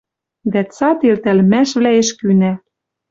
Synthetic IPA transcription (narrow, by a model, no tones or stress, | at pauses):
d̪æt͡sɑt̪elt̪ælmæʃβlæeʃkynæ